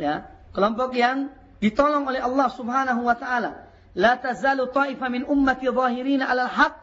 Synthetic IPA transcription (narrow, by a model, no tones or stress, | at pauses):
jakəlɔmpɔk̚jaŋ | dit̪ɔlɔŋolɛhɑlːɑhsubhaːnaɦuwat̪aʔala | lat̪azaːlut̪ˤɑːʔifamɪnʔʊmːat̪iðˤɑːɦiɾiːnaʔalalħak̚